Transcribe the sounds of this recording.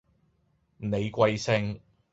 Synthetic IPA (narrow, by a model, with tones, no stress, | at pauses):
ne˨˧jkʷɐ˧jsɪ˧ŋ